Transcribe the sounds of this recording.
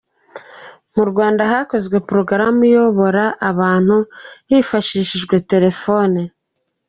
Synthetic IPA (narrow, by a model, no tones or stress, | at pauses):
muɾɡwaːndaɦaːko̞zɡwe̞pɾo̞ɡɾamujo̞βo̞ɾaʔaβaːn̥huhiːfaʃiːʃiʒɡwe̞te̞ɾe̞fo̞ne